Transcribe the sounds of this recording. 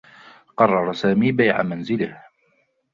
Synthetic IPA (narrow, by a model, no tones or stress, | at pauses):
qɑrˤːɑɾˤɑsaːmiːbajʕa̰manzɪlɪh